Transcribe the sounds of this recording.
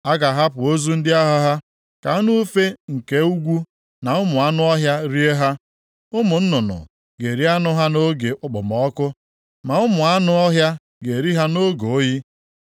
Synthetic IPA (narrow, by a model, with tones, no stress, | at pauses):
a˦ɡa˨ɦa˦pʊ˨o˦zu˦n̩˦dɪ˦a˦ɦa˦ɦa˦ | ka˨˦nu˦fe˦ŋ̩˨ke˦u˦ɡʷu˦ | na˨ʊ˦mʊ˨a˦nʊ˦ɔ˦ɦja˦ɾi˦e˦ɦa˦ | ʊ˦mʊ˨n̩˦nʊ˨nʊ̰˨ | ɡe˨ɾi˦a˦nʊ˦ɦa˦no˦ɡe˨ʔʊ˦k͡pʊ̰˨mɔ˨ɔ˦kʊ˦ | ma˨ʊ˦mʊ˨a˦nʊ˦ɔ˦ɦja˦ | ɡe˨ɾi˦ɦa˦no˦ɡo˨˦ji˦